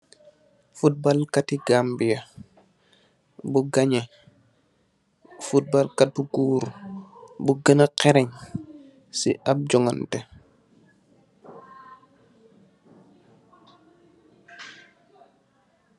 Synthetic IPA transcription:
fut̚balkatiɡambija | buɡaɲe | fut̚balkat̚uɡuːɾu | buɡənaqɛɾɛɲ | sḭap̚d͡ʒɔŋantɛ

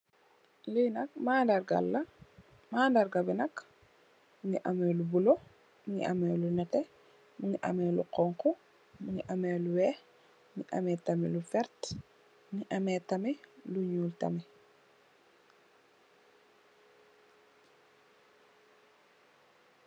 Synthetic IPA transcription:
linɐk̚maːndaɾɡa̰lːɐ | maːndaɾɡabinɐk | muŋiʔamɛːlubulo | muŋɡḭʔa̰mɛːlunɛtɛ | muŋiʔɐ̰mɛːluqɔŋku | muŋiʔamɛːluwɛ | ŋiʔa̰mɛtamɛlufɛɾt | muŋiʔɐmɛtɐmɛluɲuːltɐ̰mɛ

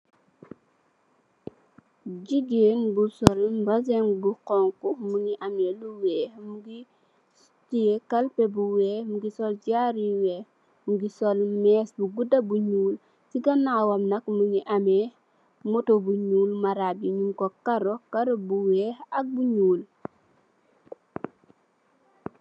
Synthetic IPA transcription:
ɟiɡeːnbusɔlbɐzɛŋbuqɔŋkumuŋiʔɐmeluwɛːmuɡi | tijekɐlpɛbuwɛːmuɡisɔld͡ʒaɾiwɛː | muɡisɔlmɛːsbuɡudɐbuɲuːl | siɡɐnaːwɐmnɐkmuŋiʔɐmɛ | mɔtobuɲuːlmaɾabiɲuŋkɔkɐɾɔkɐɾɔbuwɛːhɐk̚buɲuːl

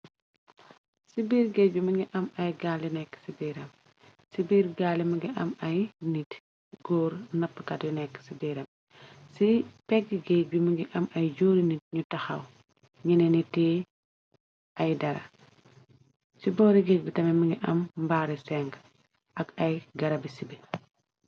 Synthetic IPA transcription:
sibiːɾɡeɟuməŋɡiʔɐmɐjɡaːlinɛkːsibiːɾɐm | sibiːɾɡaːlimɐŋɡiʔɐmɐjnit | ɡɔːɾnɐpːkɐtjunɛkːsibiːɾɐm | sipɛɡiɡebuməŋɡiʔɐmɐjd͡ʒoːɾinit̚ɲutɐxɐw | ɲinɛnitɛː | ɐjdɐɾɐ̰ | sibɔːɾiɡek̚bitɐmɛmiŋɡiʔɐmbaːɾisɛŋɡ | ʔɐkɐjɡɐɾɐbisibe

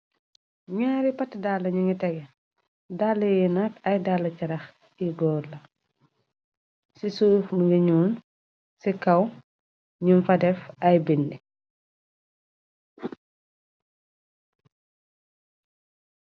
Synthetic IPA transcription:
ɲaːɾipɐtːdalːɐɲuŋitɛɡɛ | dalːɐjinakɐjdalːɐcɐɾɐx | iɡɔːlɐ | sisufmuɡiɲuːn | sikɐw | ɲunfɐdɛfɐjbindi

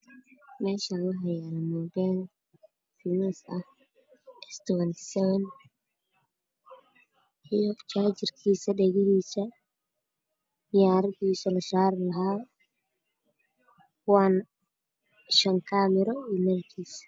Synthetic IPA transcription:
mɛːʃaːlʊɦɐjaːlmɔːbɛl | finɛsɐh | ɛst̪ʰɔwɐnsɛwn | ijɔt͡ʃaːt͡ʃɪrkʰiːsɐɖɛɣɪhiːsɐ | ɪjaːɾɪðiːsɐlɐʃaːɾɪlɐɦaː | wan | ʃɐŋkʰaːmɛɾɔiːmɐɾkʰiːs

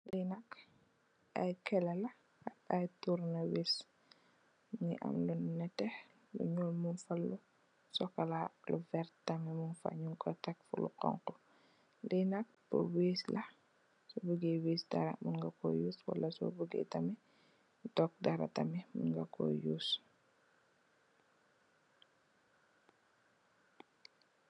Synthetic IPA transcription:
linak | ʔa̰jkɛlɛlɐ | ajtuɾnawis | mŋḭʔɐ̰mlunnɛtɛ | lṵɲɔlmunfalːu | sɔkɐlaluvɛɾttɐmɛmunfa̰ɲuŋkʰɔtɐk̚fṵlṵqɔ̰ŋkɔ | linak̚pə̰weːslʔɐ | sɔbuɡeweːsdaɾa̰munŋɡako̰juswa̰lːɐsɔ̰buɡɛ̰tɐmɛ | tɔk̚daɾa̰tamɛmṵnɡakɔ̰juːs

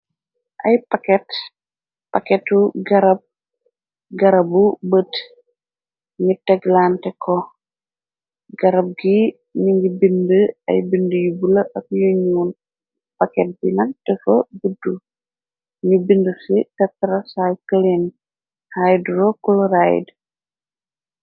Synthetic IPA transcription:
ʔɐjpɐkɛt | pɐkɛtuɡɐɾɐb̚ | ɡɐɾɐbubət | ŋɡitɛɡlaːntɛkɔ | ɡɐɾɐb̚ɡi | niŋɡibindəɐ̰jbindəjubulɐʔɐk̚juɲuːn | pɐkɛt̚binɐk̚tɛfɐ̰budːu | ŋɡibindəsitɐtːɾɐsajkəlen | hajduɾɔkulɾaj̰d

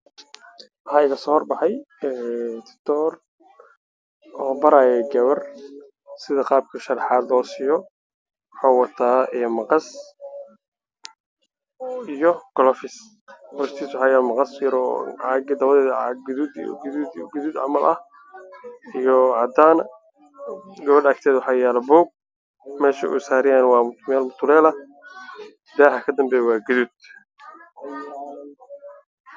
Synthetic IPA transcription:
hajɣɐsɔːhrbɑħɑj | ɛːt̪ʰɪ̥t̪ʰɔːr | ʔɔːbɐɾaːjɛɡɐβɐr | sɪðɐqɑːb̚kʰɐʃɐrħaːd̪lɔːsɪjɔ | ħɔːwɑt̪ʰaːɛmɑqɑs | ijɔɡ̥ɔlɔfɪs | bɔɾst̪ʰiːswʊħajaːmɑqɑsjɾʕɑɡɪd̪ɐβɐðɛːðʕɡðud̪̰ | ɡʊðuːd̪ʕɑ̰mɐlʔɐ̰h | ijɔʕɑd̪aːn | ɡɐβɐɖɐːkt̪ʰɛːðwɑħɑːjɛːlɛbɔwɡ̚ | mɛːʃɐ̰ʔṵsaːɾɪjaːnwɑːmt̪mɛːlmʊt̪ʰʊlɛːlɐ | d̪ɛːħɐkʰɐd̪ɐmbɛːjwɑːɡʊðuːd̪̥

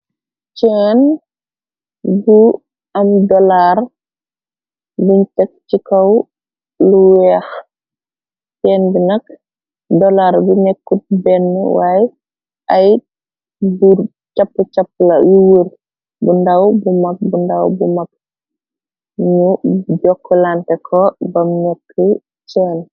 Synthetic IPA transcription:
t͡ʃɛːn | bu | ɐmdɔlar | buntɛk̚t͡ʃikɐw | luwɛːx | t͡ʃɛːnbinɐk | dɔlaɾbunɛkːut̚bɛnːə̰waːjɛ | ʔɐj | bu | t͡ʃɐpːut͡ʃapːlɐjuwuɾ | bundɐwbumɐk̚bundɐwbumɐk̚ | ɲuɟɔkːɔlantɛkʰɔbɐmnɛkʰːə | t͡ʃɛːn

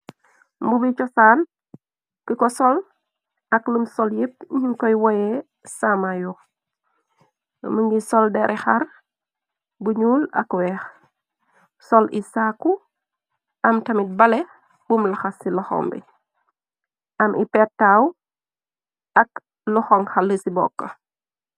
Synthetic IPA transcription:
mbubit͡ʃɔsaːn | kikɔsɔl | ɐklumsɔljep̚ɲiŋkɔjwɔjɛ | samajɔ | məŋɡisɔldɛɾʔɛxar | buɲuːlɐ̰kwɛːx | sɔlisaːkːu | ʔɐmtɐmit̚bɐlɛ | bumlɐxɐsilɐxɔ̰mbḭ | ʔɐmʔḭpɛtːaw | ɐk | luxɔŋxɐləsibɔ̰kːɐ

